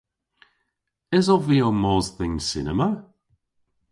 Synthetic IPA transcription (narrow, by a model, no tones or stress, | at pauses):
ɪzɔviomɔzθɪŋsɪnəmə